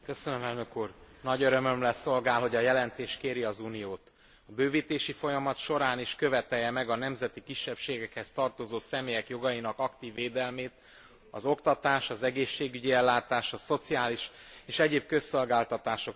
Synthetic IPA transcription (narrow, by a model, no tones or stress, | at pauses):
kø̞sønømɛlnøkuːrnɒɟøɾø̞mø̞mlɛso̞lɡaːlɦo̞ɟɒjɛlɛnt̪eːʃkeːɾiɒzunijoːt̪ | ɒbøːviːt̪eːʃifo̞jɒmɒt̪ʃo̞ɾaːniʃkø̞vɛt̪ɛjːɛmɛɡɒnɛmzɛt̪ikiʃːɛpʃeːɡɛkhɛst̪ɒrt̪o̞zoːsɛmeːjɛkjo̞ɡɒjinɒkɒkt̪iːvːeːd̪ɛlmeːt̪ | ɒ̰zo̞kt̪ɒt̪aːʃɒzɛɡeːʃːeːɡyɟiɛlːaːt̪aːʃɒso̞t̪siaːliʃeːʃɛɟeːb̚kø̞sːo̞lɡaːlt̪ɒt̪aːʃo̞k